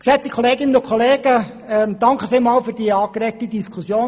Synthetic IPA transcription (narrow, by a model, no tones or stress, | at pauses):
ksɛt͡sikʰχɔleːɡɪnənʊkʰχoleːɡ̥ə | ɛmd̥ɑŋkχəfɪːlmɑːlfyːɾd̥iəɑːɡ̥əɾɛk̚tid̥iskʰusjoː